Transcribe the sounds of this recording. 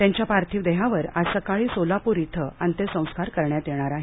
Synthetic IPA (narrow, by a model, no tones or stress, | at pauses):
t̪jaɲt͡ɕjapaɾt̪ʰiːʋd̪əɦaʋəɾasəkaɭiːsolapuɾit̪ʰəant̪esə̃w̃skaɾkəɾɳjat̪eɽ̃aɾaɦe